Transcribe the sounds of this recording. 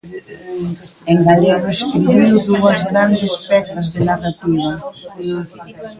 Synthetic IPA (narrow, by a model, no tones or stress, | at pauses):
eŋɡalɛɣʊeskɾiβiwðuɐzɣɾand̪espɛt̪ɐzðenarat̪iβɐ